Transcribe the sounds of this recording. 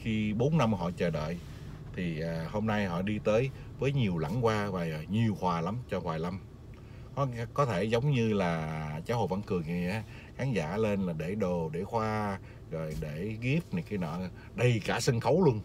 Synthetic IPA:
xi˧ɓo˨˦nːa˧mhɔ̰˧˨t͡ɕəː˨˩ɗə̰ː˧˨j | t̪ʰi˨˩ʔaː˨˩ho˧mna˧jɦɔ̰˧˨ɗi˧t̪əː˨˦j | vəː˨˦jɲi˨˩əwla̰˧˥˩ŋkwaː˧vaː˨˩˨ɲi˨˩əwhwaː˨˩la˨˦mt͡ɕɔ˧hwaː˨˩jla˧m | kɔ˨˦˧kɔ˨˦t̪ʰe˧˩zə˨˦wŋ͡mɲɨ˧laː˨˩t͡ɕaː˨˦who̰˧˨˩və̰˧˥nkɨ˨˩əŋi˨˩ʔaː˨˧˦ | xaː˨˦ŋzaː˧˩le˧nlaː˨˩ɗe˧˩ɗo˨˩ɗe˧˩xwaː˧ | zo˨˩jɗe˧˩ɣi˦˥əp̚ni˨˧˩kaː˨˦jnɔ̰˧˨ | ɗə˧jkaː˧˩sə˧nxə˨˦wlu˧ən

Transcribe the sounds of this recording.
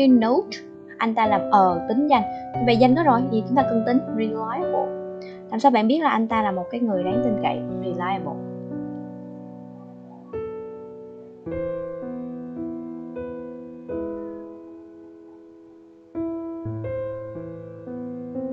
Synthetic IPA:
no˨˦t | ʔa˧jŋ̟t̪aː˧laː˨˩mʔəː˨˩t̪ï˨˦ŋ̟za˧jŋ̟t̪ʰi˨˩ɓa̰ː˧˨nza˧ŋ̟kɔ˨˦zo˨˩jt̪i˨˩t͡ɕʊ˨˦ŋ͡mt̪aː˧k̪ə˧ŋt̪ï˨˦ŋ̟zi˧la˨˧˦jmo̰˧˨ | la̰ː˨˩msaː˧wɓa̰ː˧˨nɓi˦˥ət̚laː˨˩ʔa˧ŋ̟t̪aː˧laː˨˩mo˨˩t̚kaː˨˦jŋɨ˨˩əjɗaː˨˦ŋt̪ï˧˩ŋ̟kə̰˧˨jɹi˨˧˩laː˧jmo̰˧˩

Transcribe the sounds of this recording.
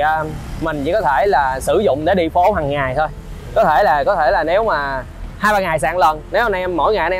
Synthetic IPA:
ʔəː˧mï˨˩ŋ̟t͡ɕḭ˧˥kɔ˨˦t̪ʰe˧˩laː˨˩sɨ˧˩zʊ̰˧˨ŋ͡mɗe˧˩ɗḭ˧fo˨˦ɦaː˨˩ŋːaː˨˩jt̪ʰo˧j | kɔ˨˦t̪ʰe˧˩laː˨˩kɔ˨˦t̪ʰe˧˩laː˨˩ne˨˦wmaː˨˩ | haː˧jɓaː˧ŋaː˨˩jsa̰ː˧˨ŋlə˨˩nːe˨˦hnʔmːo̰˧˥˨jŋaː˨˩˨n˧

